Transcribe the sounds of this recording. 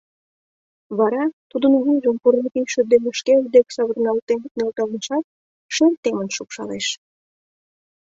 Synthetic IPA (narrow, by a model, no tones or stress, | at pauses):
βɑɾɑt̪ud̪ənβujʒəmpurnek̪iʃə̆d̪eməʃked̪eksɑβərnɑlt̪ennɑlt̪ɑlməʃɑt̪̚ | ʃert̪ːemənʃupʃɑleʃ